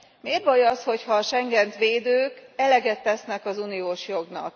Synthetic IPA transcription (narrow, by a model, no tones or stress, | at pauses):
meːrbɒjɒsho̞chɒʃɛŋɡɛnt̪ʋeːd̪øːkɛlɛɡɛt̪ːɛsnɛkɒzunioːʃjo̞ɡnɒ̰k̚